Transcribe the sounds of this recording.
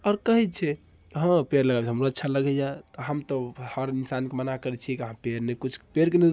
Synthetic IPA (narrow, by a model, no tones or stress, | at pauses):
ɔɾkəɦit͡ʃʰɛ | ɦə̃peɾləɡabt͡ʃʰɦəmɾoət̪ːt͡ʃʰaləɡɛd͡ʒat̪ɔɦəmt̪ɔhəɾinsankemənakəɾɛt͡ʃʰiɛkiɦãpeɾnekut͡ʃʰpeɾkene